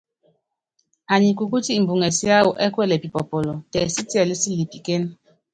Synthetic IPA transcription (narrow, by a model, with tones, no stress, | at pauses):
a˨ɲi˨ku˨ku˦ti˦m̩˨bu˨ŋɛ˨si˦a˦wu˨ʔɛ˦kwɛ˦˨lɛ˨pi˨pɔ˨pɔ˨lo˨tɛ˨si˦ti˦a˨li˦si˦li˨pi˨ke˦n